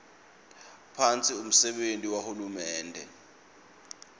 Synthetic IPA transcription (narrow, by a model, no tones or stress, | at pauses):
pʰant͡sʼium̩sɛɓentʼiwahulumɛːndʱɛ̰